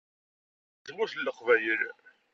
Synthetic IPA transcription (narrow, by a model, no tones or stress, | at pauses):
t͡sːmuθlːəqvæjəɾ